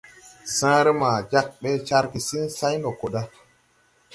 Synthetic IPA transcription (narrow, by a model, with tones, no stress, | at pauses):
sãː˦ɾe˦maː˨d͡ʒa˦k̚ɓe˦t͡ʃa˦ɾki˨si˦nsa˦jno˨ko˨ɗa˦